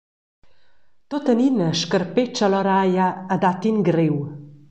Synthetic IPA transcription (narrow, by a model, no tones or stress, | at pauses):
t̪ot̪əninəʃkərpet͡ʃalɔɾajaːd̪at̪inɡɾew